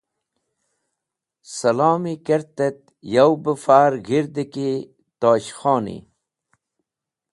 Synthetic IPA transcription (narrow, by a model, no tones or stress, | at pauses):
sɐlaːmikɐɾt̪et̪̚ | jɐwbəfaːɾɡiɾd̪iki | t̪oːɕxoːnḭ